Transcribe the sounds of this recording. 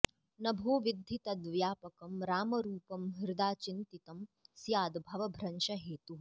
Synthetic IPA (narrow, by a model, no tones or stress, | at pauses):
nɐbʱoːʋid̪ʱːit̪ɐd̪ʋjaːpɐkɐmɾaːmɐɾuːpɐmɦiɾd̪aːt͡ʃint̪it̪ɐmsjaːd̪bʱɐʋɐbʱɾɐnʃɐɦeːt̪u